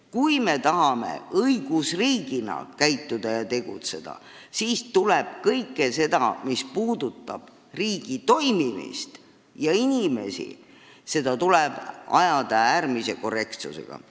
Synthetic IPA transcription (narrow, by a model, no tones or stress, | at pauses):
kujme̞t̪ɑɦɑme̞̰ɤjɡ̥usriːɡ̥inɑ̰kæjt̪ːˑud̪̥ɑjɑt̪e̞ɡ̥ṵt̪se̞d̪̥ɑ̰ | siːst̪uleb̥kɤjkːe̞se̞d̪̥ɑmispuːd̪̥ut̪ːˑɑb̥ | riːɡ̥it̪o̞jmimḭst̪ | jɑinʲime̞̰sḭ | se̞d̪̥ɑt̪uleb̥ɑ̰jɑd̪ɑæːrmise̞ko̞re̞kt̪sṵsḛɡ̥ɑ̰